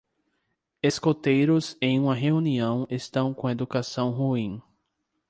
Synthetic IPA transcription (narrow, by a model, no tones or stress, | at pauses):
eskot̪ejɾʊzẽj̃ũmɐɦeũniɐ̃w̃est̪ɐ̃w̃kõed̪ukasɐ̃w̃ɦuĩ